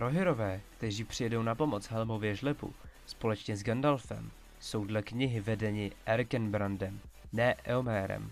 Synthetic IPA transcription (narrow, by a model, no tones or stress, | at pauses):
ɾo̞ɦɪɾo̞vɛːkt̪ɛʒiːpr̥ɪjɛdo̞wnapo̞mo̞t͡sɦɛlmo̞vjɛʒlɛpṵspo̞lɛt͡ʃɲɛzɡandalfɛ̰m | so̞wdlɛkɲɪɦɪvɛdɛɲɪʔɛɾkɛnbɾandɛmnɛʔɛomɛːɾɛ̰m